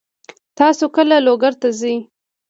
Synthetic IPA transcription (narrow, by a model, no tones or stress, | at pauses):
t̪ɑsokəlaloɡaɾt̪azij